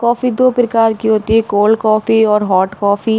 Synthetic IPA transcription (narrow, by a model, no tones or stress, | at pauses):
kɔːfid̪oːpɾəkaːɾkiɦoːt̪iɦɛ̃koːlkɔːfiɔːɾɦɔːʈkɔːfʰi